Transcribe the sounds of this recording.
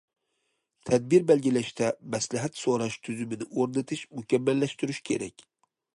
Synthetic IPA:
t̪ʰæd̪̚bɪɾbælɡʲilæʃt̪ʰɛmæslɪɦæt̪soɾɑʃt̪ʰyzymɪnɪoɾnɪt̪ʰɪʃmʊkʲamːælːæʃt̪yɾyʃkʲʰeɾɛkʲ

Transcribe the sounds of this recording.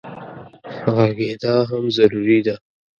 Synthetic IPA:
ɣaɡed̪aɦamzaɾuɾid̪a

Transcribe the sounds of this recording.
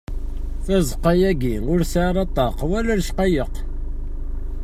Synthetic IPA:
θæzˤqːɑjæɡiʊɾsaʕɾˤɑt̪ˤːɑqwælæɾʃqɑjəq

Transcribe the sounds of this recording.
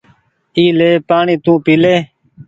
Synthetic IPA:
iːleːpaːɳĩːt̪ũːpiːleː

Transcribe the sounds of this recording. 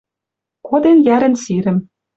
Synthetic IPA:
kod̪enjæɾɘ̆nsiɾɘ̆m

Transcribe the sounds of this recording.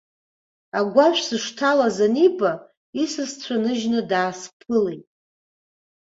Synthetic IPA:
aɡʷaʃʷᶣsɨʂtʰalazaniba | isɨst͡sʷʰanɨʒnɨdaːspʰɨlejtʼ

